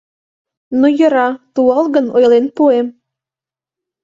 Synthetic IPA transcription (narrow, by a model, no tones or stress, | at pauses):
nojə̆ɾɑt̪uɑlˠɡə̆nojlˠenpuem